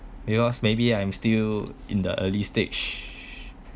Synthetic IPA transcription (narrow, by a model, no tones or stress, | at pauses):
bikɔsmebiãj̃mstilḭ̃ndə̰ʔəlistet͡ʃ